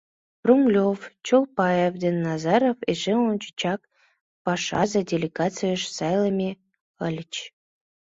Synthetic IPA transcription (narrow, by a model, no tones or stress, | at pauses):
bruŋɡlʲoft͡ɕolˠpɑjevd̪enːɑzɑɾofeʒelont͡ɕi̥t͡ɕɑk̚ | pɑʃɑ̰zədʲelʲeɡɑt͡sɨjəʃsɑjlˠəmʲe | əlʲt͡ɕ